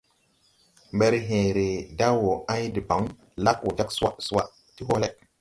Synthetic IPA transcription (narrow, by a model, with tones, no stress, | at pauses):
mbe˦ɾɦẽ˨ɾe˨da˦wo˨ã˦jdi˨ba˨˦ŋ | la˦kwo˨d͡ʒa˦ksu˦a˦su˦wa˦ʔ | ti˦ɦo˦le˦k̚